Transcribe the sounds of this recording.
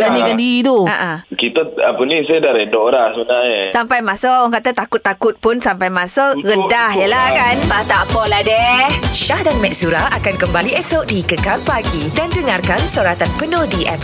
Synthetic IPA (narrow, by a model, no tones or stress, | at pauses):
lanikandit̪uaʔãkit̪aapənĩsadaɾɛdoɾasəbənaɲesampajmãsɔʔɔŋkat̪at̪akʊt̪ːakʊt̪̚pʊnsampajmãsɔʔɣəndahjəlahkanbat̪apɔladɛhʃahdanmɛ̃ʔsuɾaakankəmbaliɛsɔʔdikəkalpaɡidandəŋarkansoɾat̪anpənõdiʔɛm